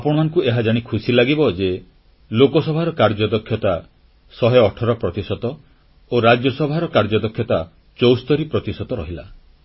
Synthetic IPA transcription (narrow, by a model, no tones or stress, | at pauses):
apɔɽ̃ɔmaŋɔkueɦad͡ʒaɽ̃ikʰusilaɡibɔd͡ʒe | lokɔsɔbʱaɾɔkaɾd͡ʒɔd̪ɔkʰːjɔt̪a | sɔɦɔɔʈʰɔɾɔpɾɔt̪isɔt̪ɔ | oɾad͡ʒjɔsɔbʱaɾɔkaɾd͡ʒɔd̪ɔkʰjɔt̪a | t͡ʃowst̪ɔɾipɾɔt̪isɔt̪ɔɾɔɦila̰